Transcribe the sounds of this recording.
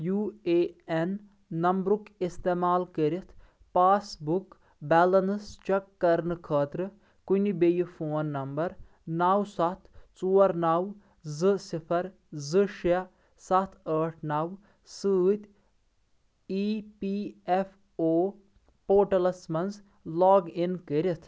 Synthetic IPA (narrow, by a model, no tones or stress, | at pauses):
juːeːenː | ɐmbɾukist̪eːmaːlkəɾit̪ʰ | paːsbuk | bɛːlɐnst͡ʃɐkːɐɾnɨkʰɐːt̪ɾɨ | kunibejifʰoːnːɐmbɐɾ | naːwsɐt̪ʰt͡suːɐɾnaw | zɨsipʰɐɾ | zɨʃɐ | sɐt̪ʰəːʈʰnaːw | sɨːt̪ʲ | iːpief | oː | poːʈɐlɐsmɐnz | lɔːɡinkəɾʲit̪ʰ